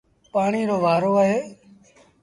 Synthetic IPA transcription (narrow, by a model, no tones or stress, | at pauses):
paːɳiːɾoːʋaːɾoːəɦeː